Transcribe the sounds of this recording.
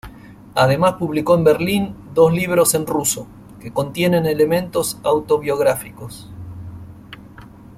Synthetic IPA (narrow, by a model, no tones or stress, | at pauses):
að̞e̞maspuβliko̞embeɾlind̪o̞zliβ̞ɾo̞se̞nruso̞ | keko̞nt̪je̞ne̞nele̞mẽnt̪o̞sawt̪o̞βjo̞ɣɾafikos